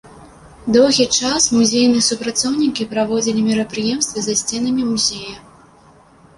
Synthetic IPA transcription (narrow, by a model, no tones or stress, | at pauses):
d̪ɔwɣʲit͡ʂasmuzʲejnɨjɛsupɾat̪sɔwnʲikʲipɾavɔd͡zʲilʲimʲiɾɐpɾɨjɛmst̪vʲɐzɐsʲt͡sʲɛnɐmʲimuzʲejɐ